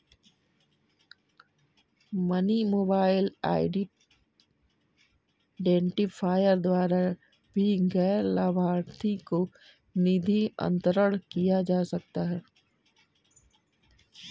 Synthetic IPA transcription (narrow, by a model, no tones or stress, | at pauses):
mɐnimoːbaːɪla̰ːɪɖ | ɖẽːɳʈipʰaːjəɾd̪waːɾa | bʱiɡɛːɾlabʱaːɾt̪ʰiko | nɪd̪ʱiə̰̃nt̪ɾəɽkijad͡ʒaːsɐk̚t̪aɦɛː